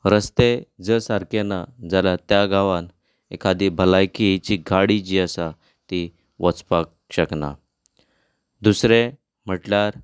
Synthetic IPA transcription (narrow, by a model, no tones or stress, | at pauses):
ɾəst̪ed͡zəsaɾkenad͡zalat̪jaɡaʋãn | ḛkad̪ibʱəlajkit͡ɕiɡʱaɽid͡ʑiːəsa | t̪i | ʋət͡spak̚ | ɕəkna̰ | d̪usɾe | m̤əʈljaɾ